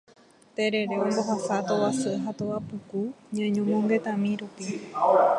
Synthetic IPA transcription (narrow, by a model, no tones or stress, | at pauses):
t̪e̞ɾe̞ɾe̞õmbo̞ɦasat̪o̞wasɨɦat̪owapɨkuɲãɲõmõŋɡe̞t̪ãmĩɾupi